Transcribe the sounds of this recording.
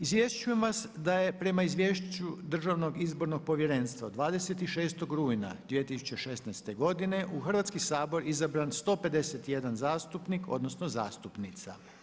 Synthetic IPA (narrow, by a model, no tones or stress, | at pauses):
izʋje̞st͡ʃuje̞mʋasd̪aje̞pɾe̞maizʋje̞ʃt͡ɕud̪r̩ʒaʋno̞ɡizbo̞ɾno̞ɡ̚po̞ʋje̞ɾe̞ːnst̪ʋad̪ʋaːd̪e̞se̞t̪iʃe̞ːst̪o̞ɡɾuːjna̰d̪jijet̪isu̥t͡ɕe̞ʃe̞snajst̪e̞ɡo̞d̪ine̞ʔuxr̩ʋat̪skisaːbo̞ɾizabɾanst̪o̞ːpe̞d̪e̞set̪je̞d̪anzaːst̪upniko̞̰d̪no̞snoza̰ːst̪upnit̪sa̰